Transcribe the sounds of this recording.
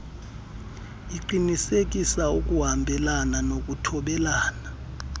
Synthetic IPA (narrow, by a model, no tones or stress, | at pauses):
iǃinisek̬ʼisauk̬ʼuɦambʱɛlananok̬ʼutʰɔɓɛlaːna